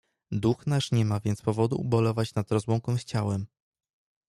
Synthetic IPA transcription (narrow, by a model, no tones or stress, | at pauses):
d̪uxnaʂɲɛmavʲjɛnt̪spɔvɔd̪ṵbɔlɔvat͡ɕnad̪ɾɔzwɔ̃ŋkɔ̃w̃st͡ɕawɛm